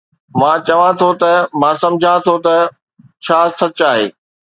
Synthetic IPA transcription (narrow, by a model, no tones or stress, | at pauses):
mãːt͡ɕɐʋãt̪ʰot̪ɐmãːsɐ̃md͡ʑʱãt̪ʰot̪ɐ | t͡ɕʰaːsɐt͡ɕaːɦḛː